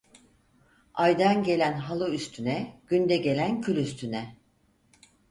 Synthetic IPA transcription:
ajd̪anɟe̞lʲænɦalˠɯyst̪ʰynɛɟ̥ynd̪ɛɟe̞lʲæncʰylʲyst̪ʰynɛ

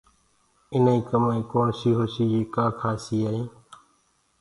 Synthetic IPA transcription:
ɪnĩːkəmaːĩːkoːnsiːɦoːsiːd͡ʒeːkaːkʰaːsiːaːĩː

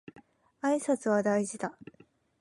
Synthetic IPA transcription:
aisat͡sɨβad̪aiʑid̪a

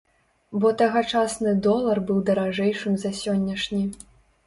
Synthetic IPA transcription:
bɔt̪ɐɣɐt͡ʂasnɨd̪ɔlˠɐrbɨwd̪ɐɾaʐɛjʂɨmzɐsʲɔnʲːɐʂnʲi

